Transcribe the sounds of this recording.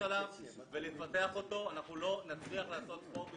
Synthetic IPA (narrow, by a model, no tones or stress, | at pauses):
alam | velifate̞aχo̞t̪o̞anaχnulo̞nat͡sliaχlaːso̞t̪̚po̞be